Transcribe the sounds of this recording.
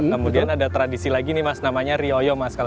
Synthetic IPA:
kəmudianadat̪ɾadisilaɡinɪmasnamaɲaɾiojɔmaskal

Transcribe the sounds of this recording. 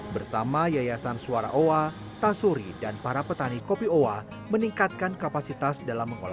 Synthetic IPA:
bərsamajajasansuaɾa̰ʔoa | t̪asuɾidanpaɾapət̪anikopioa | məniŋkat̪̚kankapasit̪asdalamːəŋo̰la̰

